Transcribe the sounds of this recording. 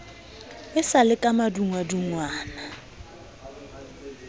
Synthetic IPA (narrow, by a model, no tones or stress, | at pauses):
ɪsalɪkʼamaduŋwaduŋwaːna